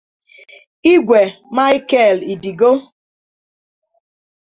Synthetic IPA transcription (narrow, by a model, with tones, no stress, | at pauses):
i˦ɡʷe˨ma˦ɪ˦kɛ˦˨li˨di˨ɡo˦